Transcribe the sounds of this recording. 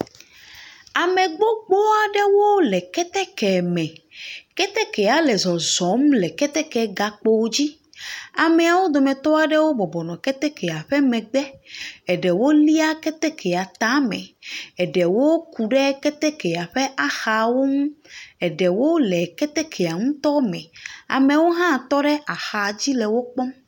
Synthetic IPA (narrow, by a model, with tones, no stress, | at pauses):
a˨mɛ̃˨ɡ͡bo˦ɡ͡bo˦a˨ɖɛ˦wo˦lɛ˨kɛ˦t̪ɛ˦kɛ˨mɛ̃˨kɛ˦t̪ɛ˦kɛ˨a˨lɛ˨zɔ˨zɔ˨˦mlɛ˨kɛ˦t̪ɛ˦kɛ˨˦ɡa˨k͡po˦wo˦d͡ʑi˦ | a˨mẽ˨a˨wo˦d̪ɔ˨mɛ̃˨t̪ɔ˦a˨ɖɛ˦wo˦bɔ˨bɔ˨nɔ̃˨kɛ˦t̪ɛ˦kʰɛ˨a˨ɸɛ˦mɛ̃˨ɡ͡bɛ˦ɛ˨ɖɛ˨wo˦li˦a˦kɛ˦t̪ɛ˦kʰɛ˨a˨t̪a˦mɛ̰̃˨ɛ˨ɖɛ˨wo˦ku˨ɖɛ˦kɛ˦t̪ɛ˦kɛ˨a˨ɸɛ˦ʔa˦xa˨wo˦ŋũ˦ɛ˨ɖɛ˨wo˦lɛ˨kɛ˦t̪ɛ˦kʰɛ˨a˨ŋũ˦t̪ɔ˦mɛ̃˨a̰˨me˨wo˦ɦã˦˨t̪ɔ˦ɖɛ˦ʔa˨xa˨d͡ʑi˦lɛ˨wo˦k͡pɔ˦m